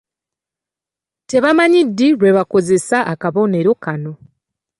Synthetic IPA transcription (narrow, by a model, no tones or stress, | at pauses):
te̞βamaɲidːiɾwe̞βako̞ze̞saʔːkaβo̞ne̞ɾo̞kano̞